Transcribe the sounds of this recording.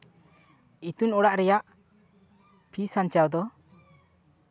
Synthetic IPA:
it̪unɔɽaʔɾɛjaʔ | pʰisaɲt͡ʃawd̪ɔ

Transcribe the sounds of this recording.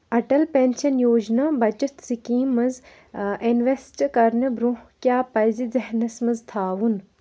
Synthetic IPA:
ɐʈɐlpenʲʃɐnjoːd͡ʒnabɐt͡ʃɐt̪ʰsikiːmɐz | enʋesʈkɐɾnɐbɾũkjaːpɐjzizɐɦnɐsmɐzt̪ʰaːʋun

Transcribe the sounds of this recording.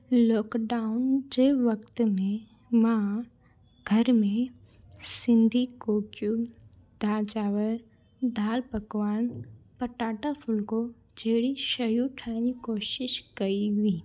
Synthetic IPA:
lɔːkɖaːʊnd͡ʑeːʋɐkt̪mẽ | mã | ɡ̥ʱɐɾmẽ | sɪ̃nd̪ʱikoːkju | d̪ʱaːt͡ʃaːʋəɾ | d̪aːlpɐkʋaːnpɐʈaːʈafʰʊlko | d͡ʒeːɽiʃɐjuʈʰãːnikoːʃɪʃkɐiʋĩː

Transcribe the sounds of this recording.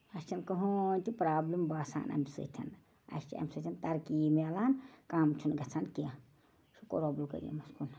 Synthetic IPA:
ɐst͡ʃʰɐnkɐɦont̪ipɾaːblimbaːsa̰ːnʔɐ̰misɨ̰t̪ʰɐ̰n | ɐ̰st͡ʃʰiɐ̰misɨt̪ʰɐnt̪ɐɾkimɛlaːnkaːmt͡ʃʰunɡɐt͡sʰankija | suko̰ɾoblkə̰ɾijḛmɐskun

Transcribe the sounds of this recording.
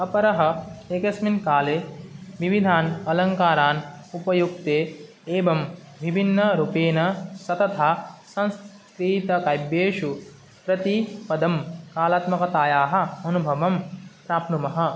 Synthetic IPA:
ɐpɐɾɐɦɐeːkɐsminkaːleːʋiʋid̪ʱaːnɐlɐŋkaːɾaːn | upɐjuk̚t̪eː | eːbɐm | ʋibʱinːɐɾupeːnɐsɐt̪ɐt̪ʰaːsɐ̃ns | kɾiːt̪ɐkaːjbjeːʂu | pɾɐt̪ipɐd̪ʱɐmkaːlaːt̪mɐkɐt̪aːjaːɦɐ̆ɐnubʱɐʋɐmpɾaːpnumɐɦɐ̆

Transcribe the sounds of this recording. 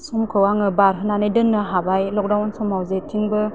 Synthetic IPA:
sɔmkʰɯwaŋɯbaɾɦɯnanɯjdɯnːɯɦabajlɔk̚dawnsɔmawzetʰiŋbɯ

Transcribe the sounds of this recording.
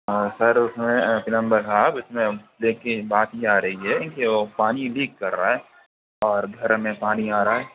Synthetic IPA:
sɐɾʊsmẽpɪlə̃mbəɾɦaːbɪsmẽleːkebaːt̪ɦiaːɾɐɦiɦɛkeʋopaːniliːkːɐɾːaɦɛː | ɔːɾɡʱɐɾmẽpaːniaːɾaɦɛː

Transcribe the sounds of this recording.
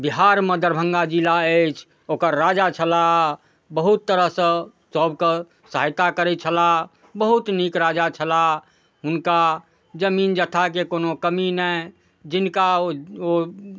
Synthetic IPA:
biɦaɾməd̪əɾbʱə̃ŋɡad͡ʒilaət͡ʃʰ | oːkəɾːad͡ʒat͡ʃʰəla | bəɦut̪ːəɾəɦsə̃ | səbke | səɦajt̪akəɾɛt͡ʃʰəla | bəɦut̪nikɾad͡ʒat͡ʃʰəla | ɦʊnka | d͡ʒəmiːnd͡ʒət̪ʰak̬ekoːnokəminɛ | d͡ʒɪnkao

